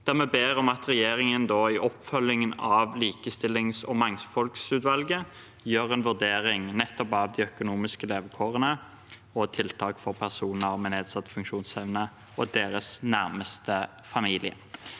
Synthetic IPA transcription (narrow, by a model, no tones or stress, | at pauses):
d̪̥æʁmɛbeːʁɔmɑt̪ɾɛjeːʁɪŋənd̪oːɪʔɔpːfœlɪŋənɑʋliːkəst̪ɪlːɪŋsɔ̰mɑŋfɔlksʉːt̪ʋɑlɡə | jøːʁɛnʋʉʁd̪eːɾɪŋnɛt̪ːɔpɑʋd̪ɪœkʊnuːmɪskəleːʋəkʰoːʁənə | ɔt̪ʰɪlt̪ʰɑːkfɔʁpʰæʁsuːnn̩əmɛneːd̪sɑt̪ːfʉŋkʃuːnsɛʋnə | ɔd̪eːɾəsnæʁməst̪ə | fɑmiːlɪə̰